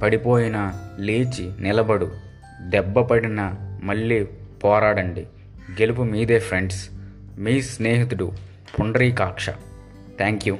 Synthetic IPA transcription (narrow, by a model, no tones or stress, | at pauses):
pɐɽipo̞ːjinɐleːt͡ʃinɪlɐbɐɽu | d̪ɛbːɐpɐɽinɐmɐɭːiːpɔːɾaːɽɐɳɖi | ɡe̞lip̬umiːd̪eːpʰɾeɳɖs | miːsneːɦit̪uɽu | pʰuɳɖɾiːkaːkʂɐ̰ | t̪ʰaːŋkju